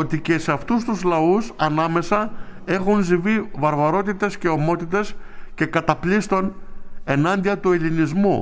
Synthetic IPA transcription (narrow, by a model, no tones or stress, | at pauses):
ot̪ice̞seɐft̪us̬t̪uzlɐusɐnɐme̞sɐe̞xunzivivɐɾvɐɾo̞t̪it̪e̞sce̞o̞mo̞t̪it̪e̞s | ce̞kɐt̪ɐplist̪o̞ne̞nɐnd̪iɐt̪uelinizmu